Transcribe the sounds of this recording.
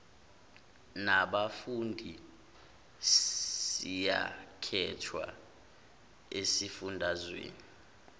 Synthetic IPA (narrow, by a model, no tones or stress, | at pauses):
naɓafundʱi | sija̰kʰɛtʰwa̰ | esifundʱazwḛːni